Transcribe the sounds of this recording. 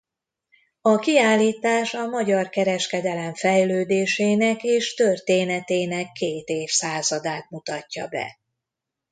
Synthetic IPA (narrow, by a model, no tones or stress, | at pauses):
ɒkiaːlːiːt̪aːʃɒmɒɟɒrkɛɾɛʃkɛd̪ɛlɛɱfɛjløːd̪eːʃeːnɛkeːʃt̪ørt̪eːnɛt̪eːnɛkːeːt̪eːfsaːzɒd̪aːt̪̚mut̪ɒcːɒ̰bɛ̰